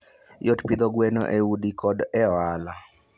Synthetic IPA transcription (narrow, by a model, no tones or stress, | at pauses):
jotpid̪ɔɡwɛnɔ̰ʔeudikɔdɛala